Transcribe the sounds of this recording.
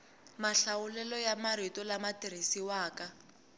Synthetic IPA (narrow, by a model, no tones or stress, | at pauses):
maɬaʊlɛlɔjamaɾitɔlamatiɾ̤isiwaːka